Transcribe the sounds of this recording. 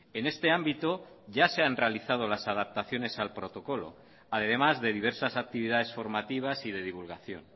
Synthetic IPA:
e̞ne̞st̪e̞ambit̪o | ʝaseanrealiθað̞o̞lasað̞ap̚t̪aθjo̞ne̞salpɾo̞t̪o̞ko̞lo̞̰ | aðe̞ðe̞mazðe̞ð̞iβ̞e̞ɾsasak̚t̪iβ̞iðaðe̞sfo̞ɾmat̪iβ̞asið̞e̞ðiβulɣaθjo̞̰n

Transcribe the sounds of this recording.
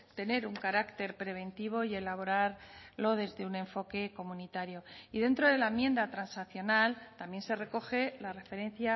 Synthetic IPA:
t̪e̞ne̞ɾuŋkaɾakt̪e̞ɾpɾe̞β̞e̞nt̪iβ̞o̞ie̞laβo̞ɾaɾlo̞ðe̞zðeunẽ̞ɱfo̞ke̞ko̞mũnit̪aɾjo̞iðe̞nt̪ɾo̞ðe̞laemjẽ̞nd̪at̪ɾansaθjo̞nalt̪amje̞nse̞re̞ko̞xe̞lare̞fe̞ɾẽ̞nθja

